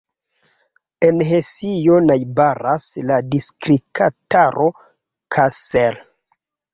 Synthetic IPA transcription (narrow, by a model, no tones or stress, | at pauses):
enɦesijo̞najbaɾasladiskɾikʰataɾʔo | kʰasel